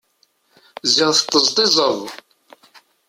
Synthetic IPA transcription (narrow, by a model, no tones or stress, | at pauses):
zɪʁθt̪ːəzt̪ˤizˤəðˤ